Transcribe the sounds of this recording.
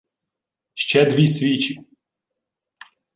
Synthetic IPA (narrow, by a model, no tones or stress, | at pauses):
ʃt͡ʃɛd̪ʋʲisʲʋʲit͡ʃi